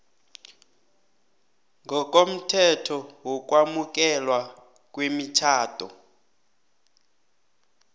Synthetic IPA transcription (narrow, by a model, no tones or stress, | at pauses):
ŋʱɔkʼom̩tʰɛtʰɔwɔkʼwamuk̬ʼɛlwa | k̬ʼwemit͡ʃʰaːtʼɔ̰